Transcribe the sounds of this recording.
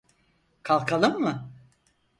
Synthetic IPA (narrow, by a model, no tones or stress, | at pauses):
kʰalˠkʰalˠɯmːɯ